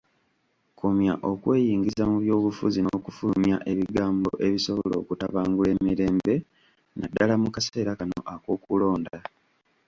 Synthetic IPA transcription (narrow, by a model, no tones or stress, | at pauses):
kʰumja̰ʔo̞kwe̞ːjiːŋɡizamuβjo̞ːβufuzinoːkufumjaʔe̞βiɡaːmboʔe̞βiso̞βolo̞̰ːkutaβaːŋɡule̞ːmiɾe̞ːmbe̞ | nadːalamukase̞ːɾakano̞̰ʔako̞ːkulo̞ːnda